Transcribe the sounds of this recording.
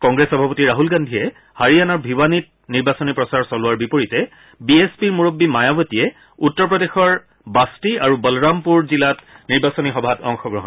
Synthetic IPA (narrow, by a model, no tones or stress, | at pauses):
kɔŋɡɹesɔbʱapɔtiɹaɦulɡandʱiɛ | haɹijanɔɹbʱiwanit̚ | niɹbasɔnipɹɔsaɹsɔlʊwaɹbipoɹitɛ | biespiɹmuɹobːimajabɔtiɛ | utːɔɹpɹɔdexɔɹ | bastiaɹubɔlɹampuɹzilatniɹbasɔnixɔbʱatɔŋxɔɡɹɔɦɔn